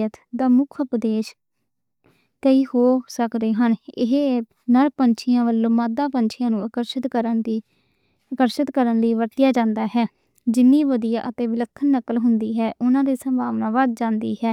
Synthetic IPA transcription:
ət̪d̪aːmʊkʰəpd̪eːʃ | kəiːhoːsəkd̪eːɦənɪɦe | nəɾpənt͡ʃʰɪjãːʋəlːõːmaːd̪ãːpənt͡ʃʰɪjãːnũːəkəɾʃət̪kəɾə | əkəɾʃət̪kəɾənləiːʋəɾt̪ɪjaːd͡ʒãːnd̪aːɦɛː | d͡ʒɪnːiːʋəd̪ijaːʔət̪eːʋɪləkʰːənːəkːəlɦʊnd̪iːɦɛːʔʊnãːd̪iːsəmbʱaːʋnaːʋaːd̪̚d͡ʒãːnd̪iːɦɛː

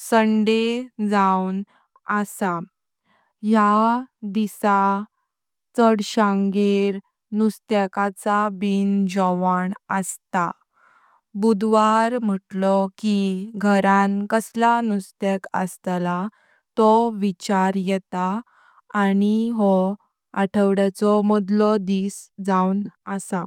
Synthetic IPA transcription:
səɳɖed͡zawn | əsa | jad̪isa | t͡səɽɕãŋɡeɾ | nust̪əkat͡sabind͡ʑɔʋaɳəst̪a | bud̪ʋaɾm̤əʈlɔkiɡʱəɾãnkəslanust̪ɛkəst̪la | t̪ɔʋit͡ɕaɾjɛt̪aː | ɽiɦɔ | aʈʰəʋɽat͡sɔmɔd̪lɔd̪iːsd͡zawnəsa

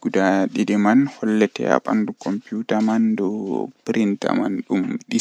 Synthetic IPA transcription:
ɡ̥udaɗidɛmanhɔlːɛtɛ̰a̰ɓa̰ndukɔmpijutamandɔpɾinta̰manɗumɗi

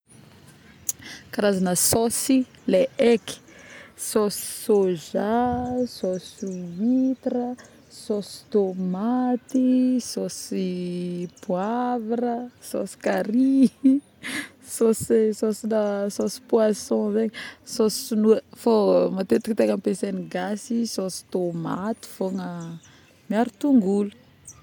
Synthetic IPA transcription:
kaɾazanəsosi | leeki̥sɔsi̥soʒasɔsuvit̪ɾə | sosi̥t̪omat̪isosipwavɾəso̰si̥kaɾi | sosisosinasosi̥pwasɔ̃zeɲsossunuəfomat̪et̪i̥kt̪ekampeseniɡasisosi̥t̪oma̰t̪i̥foŋə | miaɾut̪uŋɡulu̥

